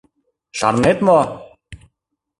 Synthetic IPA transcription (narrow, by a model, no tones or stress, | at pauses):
ʃɑ̰ɾnet̪mo